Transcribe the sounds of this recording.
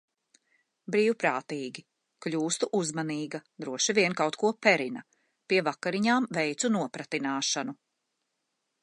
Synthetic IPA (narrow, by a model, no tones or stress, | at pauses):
bɾiːwpɾaːt̪iːɡʲi | kʎʲuːst̪uʔuzmaniːɡɐd̪ɾuɔʃiviɛnkawt̪kuɔpɛɾinɐ | piɛvakaɾiɲaːmvɛjt̪sunuɔpɾat̪inaːʃanu